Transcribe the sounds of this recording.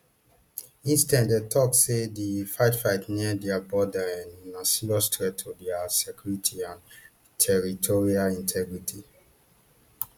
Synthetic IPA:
ĩnstɛ̃ndetʰɔksedifaɪtfaɪtniɛdɛabɔdaɛ̃nːãsilɔstɹɛtʰːodɛasɛkjuɹitʰiãn | tʰɛɹitʰoɹialĩntʰɛɡɹitʰi

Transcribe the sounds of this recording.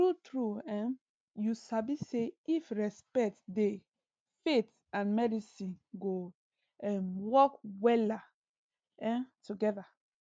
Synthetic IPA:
tɹutɹuɛ̃ | jusabiseifɹɛspɛk̚tde | fet | ãnmɛdisĩnɡo | ɛmwɔkwɛla | ɛ̃tuɡɛða

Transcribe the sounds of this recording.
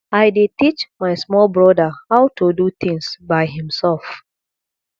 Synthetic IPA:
ajdetit͡ʃmaɪsmɔlbɹɔdəhaʊtodutĩŋsbaɪɦĩmsɛlf

